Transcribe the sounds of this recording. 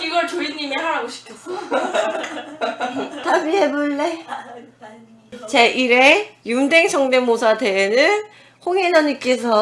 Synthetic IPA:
iɡʌɭt͡ɕoɾiɲːimiɦaɾaɡoɕʰi̥pʰʌs͈o | tabiɦe̞boɭːe | t͡ɕe̞ʔiɾejumdeŋt͡ɕʌŋdemosʰadeːnɯn | hoŋed͡ʑʌɲik͈e̞s̬ʰʌ

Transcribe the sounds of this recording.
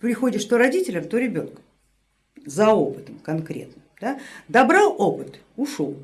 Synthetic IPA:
pɾʲɪxo̞dʲɪʂt̪oɾɐdʲitʲɪlʲəmt̪oɾʲɪbʲo̞nk | zɐopɨt̪əmkɐnkɾʲe̞̰t̪nəmd̪ad̪ɐbɾalˠopɨt̪ | ʊʂolˠ

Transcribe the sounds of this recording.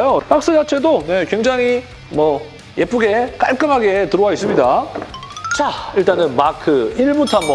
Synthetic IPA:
jopak̚s͈ɯd͡ʑat͡ɕʰe̞done̞kwe̞ŋd͡ʑaŋi | mʌ | je̞p͈uɡe̞k͈aɭk͈ɯmɦaɡe̞tɯɾowais͈ɯmɲida | t͡ɕaiɭt͈anɯnmakʰɯiɭbutʰanmʌ

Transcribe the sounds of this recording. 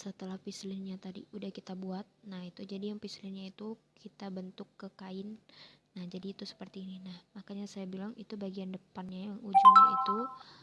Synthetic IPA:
sət̪əlahpislɪnɲat̪adḭudahkit̪abuat̪̚nahit̪ud͡ʒadijaŋpislɪnɲait̪ukʰit̪abənt̪ʊkːəkaɪnː | ahd͡ʒadiːt̪usə̥pərt̪iːninahmakaɲasajabilaŋit̪ubaɡiandəpanɲajaŋud͡ʒuŋait̪u

